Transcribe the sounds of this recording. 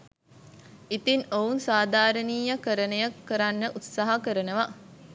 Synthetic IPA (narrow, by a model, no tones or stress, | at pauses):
it̪inounsaːd̪aːɾəniːjɐkəɾənəjɐkːəɾanːəʔut̪saɦɐkəɾənəʋa